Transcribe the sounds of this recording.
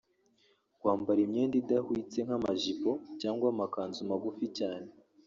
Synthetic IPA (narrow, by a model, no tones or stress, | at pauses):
ɡwaːmbaɾimɲeːndidahwiːt͡se̞ŋ̥amaʒipo̞caːŋɡwamakaːnzumaɡuficaːne̞